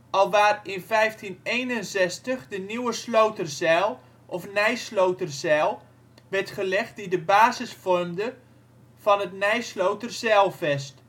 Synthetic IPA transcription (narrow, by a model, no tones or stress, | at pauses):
ɔlˠʋaːrɪnfɛjftʰinejnənzɛstəχdəniwəslowtərzɛlˠ | ʔɔfnɛjslowtərzɛlˠ | ʋɛrtχəlɛχt̚didəbaːzəsfɔrmdə | fɑnətnɛjslowtərzɛlˠfɛst